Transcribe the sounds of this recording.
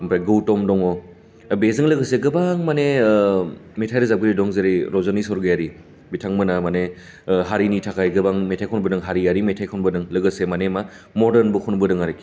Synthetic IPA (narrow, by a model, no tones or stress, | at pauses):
mpʰɾajɡɯwtɔmdɔŋɔ | bezɯŋlɯɡɯseɡɯbaŋmane | metʰajɾɯzab̚ɡɯɾidɔŋzeɾiɾɔzɔnisɔɾɡɯjaɾi | bitʰaŋmɯnamane | ɦaɾinitʰakajɡɯbaŋmetʰajkʰɔnbɯdɯŋɦaɾiaɾimetʰajkʰɔnbɯdɯŋlɯɡɯsemanema | mɔɾdɐɾnbukʰunbɯdɯŋaɾiki